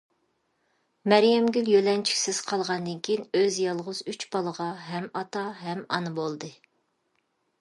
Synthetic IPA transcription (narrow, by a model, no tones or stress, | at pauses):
mɛɾjɛmɡʲyljølɛnt͡ʃʰi̥kʲsɪz̥qʰɑlˠʁɑnd̪ɨnkʲʰijinøzjɑlˠʁʊzyt͡ʃbɑlˠəʁɑɦɛmɑt̪ɑɦɛmɑ̰nɨbolˠd̪ɨ